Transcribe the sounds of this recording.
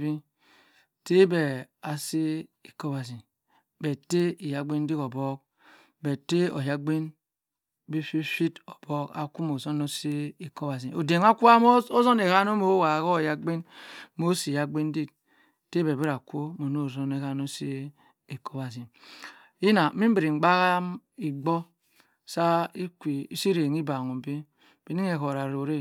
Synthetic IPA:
bi˦ | te˦be˨ | a˨si˦i˨ko˦ba˨zi˨n | be˨te˦i˨ja˨ɡ͡bi˦n˦di˦ko˨bo˦k̚ | be˨te˦o˨ja˦ɡ͡bi˦n | bi˦fi˦fi˦to˨b̥o˦ka̰˨ku˦mo˨zo˦no˦si˦i˨ko˦ba˨zi˨o˨de˨ŋa˦ku˦a˦o˦zo˦ne˨ka˦no˦mo˦wa˨ɣo˦˨ja˦ɡ͡bi˦n˦mo˦si˨ja˨ɡ͡bi˦n˦di˦k̚ | te˦be˨bi˦ɾa˨kʷo˦mo˨no˦˨zo˦ne˨ka˦no˦se˦ | e˨kʰo˦ba˨zi˨n | ji˦na˨˦mi˦m˦bi˨ɾi˨ŋ͡m̩˨ɡ͡ba˦ɣa˦mi˨ɡ͡bo˦ | sa˦i˦kʷi˨i˦si˦ɾe˨ŋi˦ba˨ŋo˨m˨bi˦ | b̥e˨ni˦ŋe˨ko˨ɾa˨ɾo˨ɾe˦

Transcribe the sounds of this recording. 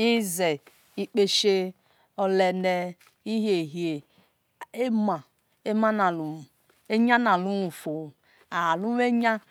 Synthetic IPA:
i˦ze˨ | i˦k͡pe˦ʃe˦ | ɔ˨lɛ˨ne˦ | i˦ɦe˨ɦje˨ | e˦ma˨ | e˦ma˦na˨lu˨ | e˦ɲa˦na˨lu˦nu˨fo˨ | a˨lu˦e˦ɲa˦

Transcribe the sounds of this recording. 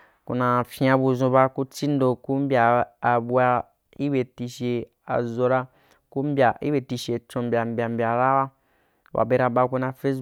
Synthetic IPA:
kṵ˧nã˧fĩ˦ã˧bu˧zũ˧ba˧ku˦t͡si˦n˦do˧ku˦m˦bʲaː˨bu˧a˧ | i˦be˨ti˧ʃe˧ | a̰˨zo˧ɾa˧ | ku˦m̩˦bʲa˨ḭ˦be˨ti˧ʃe˨t͡ʃõ˧m˦bʲa˨m˨bʲa˨m˨bʲa˨ɾa˦wa˦ | wa̰˨be˧ɾa˧ba˧ku˧nã˧fe˦

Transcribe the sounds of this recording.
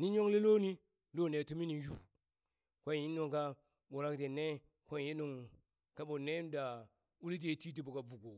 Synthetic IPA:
ni˦ɲo˦ŋli˦lo˦ni˦ | lo˦˨ne˨tu˦mi˦ni˨ju˦ | kʷo˦n˨ji˦nː˦u˨ŋka˦ | ɓo˨ɾa˦kte˨ne˦ | kʷo˦n˨ji˦nu˨ŋ | ka˦bo˨ne˦n˦da˨ | u˦li˦t̬e˦ti˦t̬i˨bu˨ka˨bu˨ɡo˨

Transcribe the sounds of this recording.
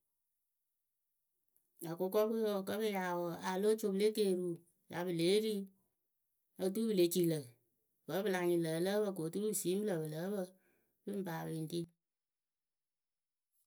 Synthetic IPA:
a˨kʊ˧kɔ˦ku˦jo˨kə˦bɨ˦ja˨wə˨a˨lo˦t͡ʃo˨ble˦ke˦˨ɾu˦ | ja˨bɨ˨le˨˦ɾi˦ | ə˧t̬u˦bɨ˨le˨˦t͡ʃi˨lə˨ | bə˦bɨ˦la˨ŋ˨ɲi˨ləː˨˦lə˦bə˦˧k̬o˨tu˦ɾu˦ɨ˨si˨˦m˦bɨ˦lə˨bɨ˨lə˨˦bə˦ | bɨ˦m˨paː˨bi˨n˦ti˦

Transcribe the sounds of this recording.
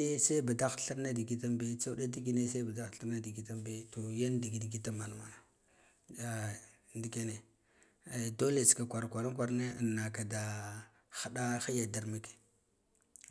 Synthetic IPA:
e˦se˦ba˨da˦xɬa˦ɾna˦di˨ɡi˦ta˦mbe˦t͡sa˦wda˦di˦ɡi˦ne˦sa˦ba˨da˦xɬa˦ɾna˦di˨ɡi˨ta˦mbe˦to˨ja˦ndi˨ɡi˨dɡi˦ta˦ma˨n˨wa˨na˨ | a˨ | ndi˦ke˦ne˨ | do˦le˨ska˨kʷa˨ɾkʷa˨ɾa˦kʷa˦˨ɾne˦ə˨nːa˨ka˨da˨ | xa˨da˦xi˦ja˨da˨ɾma˦ke̥˨

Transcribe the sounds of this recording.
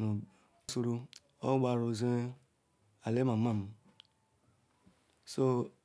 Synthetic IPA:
nu˨˦ | su˦ɾu˦ | ɔ̰˦ɡ͡ba˨ɾu˨ze˦ | a˨le˦ma˨˦ma˦˨m˨ | so˦

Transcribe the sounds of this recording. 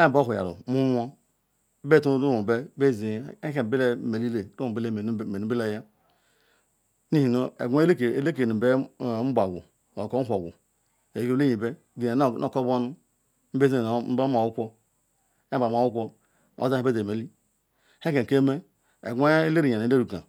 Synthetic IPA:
e˦˨bo˦ɦu˨ja̰˨ɾṵ˨mu˦m˦o˦ | be˦˨tu˦ɾu˦u˨be˦be˦˨zi˨e˦ke˨be˦le˦˨me˨li˦le˨ɾu˦˨be˦le˨nu˦be˦le˦ja˦ | ni˦hi˨no˦ḛ˨ɡʷe˦e˦ke˦le˦k̬e˨nu˨be˦˨˦m̩˦ba˨ɡʷṵ˨ | o˨ko˦o˨ɡʷṵ˨ | e˨˦ke˦ji˨be˦ | ɡe˨ne˨˦no̰˦˨ko˦bo˦nu˦ | m̩˦be˦zi˦˨m̩˦ba˦ma˨wu˦kʷo˦ | a˦ba˨m˨a˨wu˦kʷo˦ | o̰˦˨za˦e˦be˦ze˨me˨li˦ | he˦ke˨ke˦me˦ | ḛ˨ɡʷe˦e˦le˦ɾi˨ja˨˦le˦ɾu˨ka̰˨

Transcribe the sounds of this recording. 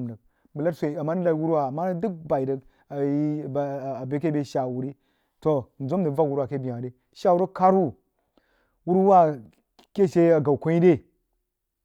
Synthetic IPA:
mdə˨k̚ | bə˨la˦sʷe˨i˨a˨mːa˦nɨ˦la˨i˦wu˦ɾwa˨a˨mːa˦n˦dɨ˦k̚ba˨i˨də˨k | a˨ji˦˨a˨be˨k̬e˦be˨ʃa˨wu˨ɾi˦ | to˨n̩˨zo˦m˦də˨va˦wu˦ɾa˨ke˦bi˨a˨de˦ | ʃa˦wu˦ɾə˦ka˦ɾu˦ | wu˦ɾwa˦ | ke˦˨ʃe˦a˨ɡa˨wkʷo˦ji˦de˦˨

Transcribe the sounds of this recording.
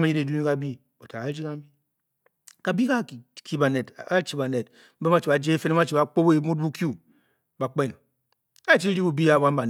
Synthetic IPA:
ma˨˦i˦ɾe˨du˦i˦ka˨bi˦ | o˨ta˨a˦d͡ʒi˦ka˦mi˦ | ka˨bi˦ka˦˨kʰi˦ba˨ne˨tka˦t͡ʃi˦ba˨ne˨t̩˦ | be˦ma˦t͡ʃi˨ba˨d͡ʒe˦e˦fe˦ne˦ma˦t͡ʃi˨ba˨k͡po˦be˨mu˦d̚bu˦kju˦ | ba˨k͡pe˦˨n | ka˦t͡ʃi˦ɾi˦bu˨bi˦a˨ba˦m˦a˨n

